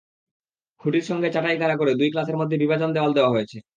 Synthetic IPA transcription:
huʈiɾʃɔŋɡet͡ɕaʈajk̪aɾak̬oɾed̪ujklaseɾmod̪ʱːebibad͡ʑond̪eɔld̪eoaɦojet͡ɕʰe

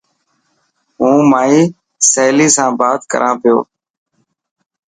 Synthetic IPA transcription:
ɦũːmaːiː | seːliːsãːbaːt̪kə̰ɾʔãːpɪjo̰ː

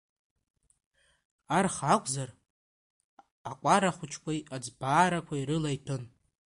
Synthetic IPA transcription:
arχakʷʼzar | akʷʼaɾaχʷʊt͡ʃʰkʷʰajad͡zbaːɾakʷʰaiɾɨlajtʰɨn

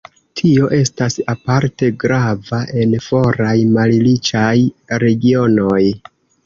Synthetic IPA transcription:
tʰio̞ʔe̞stasapaɾte̞ɡɾavaʔe̞nfo̞ɾajmallit͡ʃajɾe̞ɡio̞no̞j

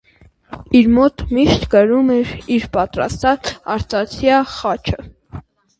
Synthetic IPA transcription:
iɾmɔt̪miʃt̪kəɾumɛɾiɾpɑt̪ɾɑ̰st̪ɑt͡sɑɾt̪ɑt͡sʰjɑχɑt͡ʃʰə

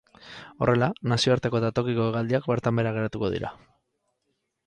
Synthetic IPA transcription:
o̞̰re̞lanasio̞aɾt̪e̞ko̞ðat̪o̞kiko̞eɣald̪iakbe̞ɾt̪ambe̞ɾaɣ̞e̞ɾat̪uko̞ðḭɾa̰

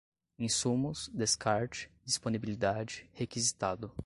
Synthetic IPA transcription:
ĩsumʊsd̪eskaɾt͡ʃɪ̥d͡ʒisponibilid̪ad͡ʒɪhekizit̪ad̪ʊ

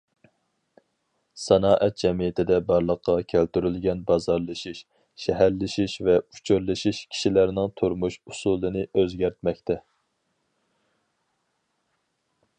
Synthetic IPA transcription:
sɑnɑːʔɛt̪̚d͡ʒɛmijɪt̪ʰɪd̪ɛbɑɾlˠəqːɑkʲʰælt̪yɾylɡʲɛnbɑzɑɾlˠɨʃiʃ | ʃɛɦæɾlɪʃiʃvɛut͡ʃʰyɾlɨʃiʃkʲʰi̥ʃilæɾnɪŋt̪ʰuɾmuʃusulˠɨnɨøzɡʲæɾt̪mɛkʲt̪ʰɛ

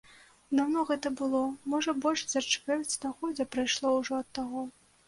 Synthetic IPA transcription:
d̪awnɔɣɛt̪ɐbɨlˠɔmɔʐɐbɔlʲʂzʲɐrt͡ʂvʲɛrʲt͡sʲd̪axɔd͡zʲɛpɾajʂlˠɔwʐɔɐt̪ːaɣɔ

